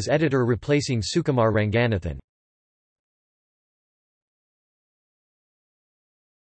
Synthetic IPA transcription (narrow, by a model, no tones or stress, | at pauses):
zɛɾɨɾə˞ɹipʰl̥eɪsɪ̃ŋsʉkəmɑɹɹæ̃ŋɡænɨθɨ̰̃n